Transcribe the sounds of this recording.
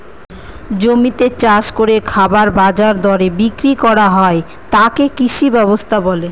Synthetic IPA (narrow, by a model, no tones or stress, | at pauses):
d͡ʑomit̪et͡ɕaʃkoɾekʰabaɾbad͡ʑaɾd̪ɔɾebikɾikɔɾaɦɔe | t̪akekiʃibɛβost̪ʰabɔle